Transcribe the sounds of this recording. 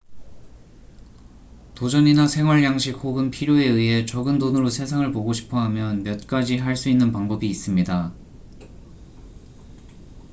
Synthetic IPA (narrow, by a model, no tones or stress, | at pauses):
tod͡ʑʌɲinasʰe̞ŋɦwʌɭjaŋɕʰik̚hoɡɯnpʰiɾjoe̞ɯiɦe̞t͡ɕʌɡɯndonɯɾosʰe̞sʰaŋɯɭpoɡoɕʰi̥pʰʌɦamjʌnmjʌt̚k͈ad͡ʑiɦaɭs͈uinːɯnpaŋbʌbiːs͈ɯmɲida